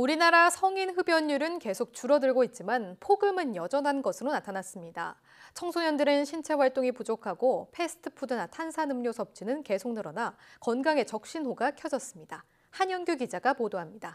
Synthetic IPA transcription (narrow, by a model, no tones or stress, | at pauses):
uɾinaɾasʰʌŋinɦɯbjʌɲːuɾɯnke̞sʰok̚t͡ɕuɾʌdɯɭɡoit̚t͡ɕ͈imanpʰoɡɯmɯnjʌd͡ʑʌnɦanɡʌsʰɯɾonatʰanas͈ɯmɲida̰ | t͡ɕʰʌŋsʰoɲʌndɯɾɯnɕʰint͡ɕʰe̞ɸwaɭt͈oŋipud͡ʑokʰaɡopʰe̞sʰɯ̥tʰɯ̥pʰudɯnatʰansʰanɯmɲosʰʌp̚t͡ɕ͈ʰinɯnke̞sʰoŋnɯɾʌnakʌnɡaŋe̞t͡ɕʌk̚ɕ͈inɦoɡakʰjʌd͡ʑʌs͈ɯmɲida | hanjʌnɡjuɡid͡ʑaɡapodoɦamɲida